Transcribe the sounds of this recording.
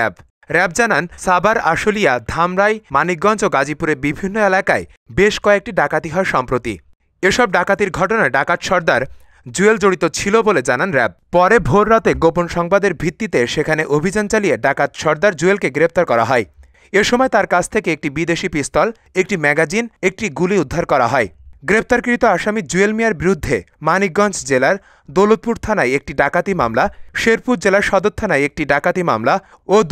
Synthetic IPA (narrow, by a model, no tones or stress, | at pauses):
ɛb | ɾɛb̚d͡ʑanansabaɾaʃolijad̪ʱamɾajmanik̚ɡɔnd͡ʑoɡad͡ʑipuɾeɾbibʱinːoelakae | beʃkɔek̚ʈiɖakat̪iɦɔeʃɔmpɾot̪ḭ | eʃɔb̚ɖakat̪iɾɡʱɔʈonaeɖakat̪ʃɔɾd̪aɾ | d͡ʑueld͡ʑoɽit̪ot͡ɕʰiloboled͡ʑananɾɛb̚pɔɾebʱoɾːat̪eɡoponʃɔŋbad̪eɾbʱɾit̪ːit̪eʃekʰaneʔobʱid͡ʑant͡ɕalieɖakat̪ʃɔɾd̪aɾd͡ʑuelkeɡɾep̚t̪aɾkɔɾa̰ɦɔe | eʃomɔet̪aɾkat͡ɕʰt̪ʰekeek̚ʈibid̪eʃipist̪ɔl | ek̚ʈimɛɡad͡ʑinek̚ʈiɡuliud̪ʱːaɾkɔɾa̰ɦɔeɡɾep̚t̪aɾkɾit̪oaʃamid͡ʑuelmijaɾbiɾud̪ʱːe | manik̚ɡɔnt͡ɕd͡ʑelaɾ | d̪olud̪̚puɾt̪ʰanajek̚ʈiɖakat̪ima̰mlaʃeɾpuɾd͡ʑelaɾʃɔd̪ot̪ʰːanajek̚ʈiɖakat̪ima̰mla | o